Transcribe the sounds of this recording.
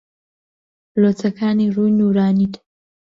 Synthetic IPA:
lot͡sʰɐkaːnirujnuːɾaːnit̪

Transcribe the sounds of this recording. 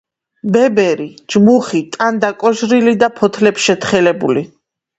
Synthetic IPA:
bɛbɛɾid͡ʒmuχit̪ʼand̪akʼɔʒɾilid̪apʰɔt̪ʰlɛpsʃɛt̪ʰχɛlɛbuli

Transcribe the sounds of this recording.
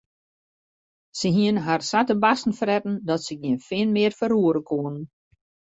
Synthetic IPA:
səɦiənɦarsatəbasn̩frɛtn̩dɔtsəɡiənfɪənmɪərfəɾuəɾəkʰoənən

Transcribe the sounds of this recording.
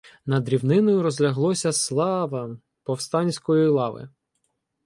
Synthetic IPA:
nɐd̪ɾʲiwnɪnɔjʊɾɔzʲlʲɐɦlˠɔsʲɐslˠɑʋɐ | pɔwst̪ɑnʲsʲkɔjilˠɑʋɪ̰

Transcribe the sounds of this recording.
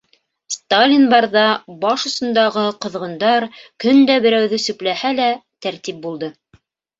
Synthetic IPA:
st̪alʲinbɑɾðɑbɑʃŏsɤ̆nd̪ɑʁɤqɤ̆ðʁɤ̆nd̪ɑɾkɵnd̪æbɘ̆ɾæwðɵsɵ̆plæhælæt̪æɾt̪ip̚bulˠd̪ɤ

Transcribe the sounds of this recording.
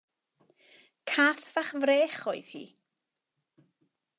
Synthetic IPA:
kʰaːθv̥aχvreːχoɨð̥hḭː

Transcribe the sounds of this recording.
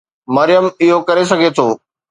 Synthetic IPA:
mɐɾɪjəmɪɦokɐɾes̬ɐɡʱet̪ʰoː

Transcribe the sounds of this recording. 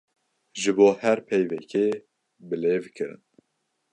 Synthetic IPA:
ʒɨboːhɛɾpʰɛjvɛkʰeː | bɨleːvkʰɨɾɨ̰n

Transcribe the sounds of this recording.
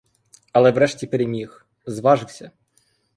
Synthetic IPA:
ɐlˠɛʋɾɛʃtʲipeɾʲemʲix | zʋɑʒɪwsʲɐ

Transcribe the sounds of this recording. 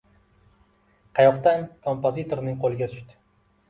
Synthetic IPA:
qʰɑjɒqt̪ankʰo̞mpozit̪ʰo̞ɾnɪŋqʰolˠɪɡʲat̪ʰʊ̥ʃt̪ɪ̥

